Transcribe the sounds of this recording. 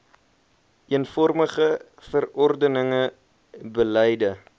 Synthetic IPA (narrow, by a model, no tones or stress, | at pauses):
iənfɔrməχə | fərɔrdənəŋə | bəlɛjdə